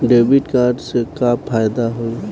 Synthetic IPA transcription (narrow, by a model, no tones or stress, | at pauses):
ɖeːbiʈkaːɾɖsekaːfʰaːjd̪aɦoi